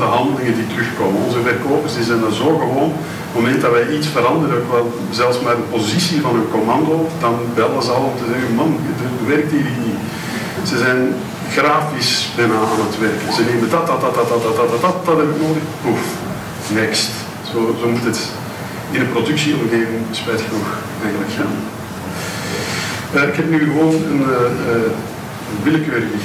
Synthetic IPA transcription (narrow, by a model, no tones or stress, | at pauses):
dəɦɑndəlɪŋəditəɾʏxkoːmənɔnzəvɛrkoːpərsizɛjndɑnzoːɣəʋoːn | momɛntdɑʋɛjitsfəɾɑndəɾəokʋɛlˠ | zɛlˠfsmaːrdəpozisivɑnənkɔmɑndoːdɑnbɛlˠəzəɑlˠɔmtəzɛɣənmɑndəbəʋɛrk̚tiːɾitni | z̥əzɛn | ɣraːfɪsbɛnaːaːnətʋɛrkzəneːməndɑt̚dɑdɑdɑdɑdɑdɑdɑdɑt̚dɑtɦɛbɪknoːdəxbuf | nɛkst | z̥oːzoːmutət | ɪnəprodʉksiɔmɣeːvɪŋspɛjtxənux | ɛjɣənləkxaːn | əɪkɦɛpnyːɣəʋoːnənəə | ənʋɪləkøːɾbə